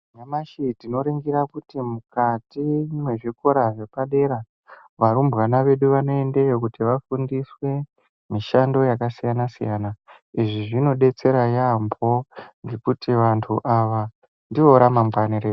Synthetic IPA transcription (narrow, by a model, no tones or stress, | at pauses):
ɲamaʃitino̞ɾeŋɡiɾakutimukatimwe̞ʐiko̞ɾaʐe̞paɗe̞ɾa | ʋaɾumbwanaʋe̞ɗuʋano̞e̞nde̞jok̬utiʋafundiswe̞ | miʃando̞jakasijanasijaːna | iʐiʐino̞ɗe̞t͡se̞ɾajambʰo̞ŋɡe̞kutiʋantʰuʔaʋa | ndio̞ɾamambwaniɾe